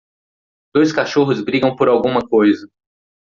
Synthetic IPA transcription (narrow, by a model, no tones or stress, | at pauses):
d̪̥ojskaʃoɦʊzbɾiɡɐ̃w̃poɾawɡũmɐkojzɐ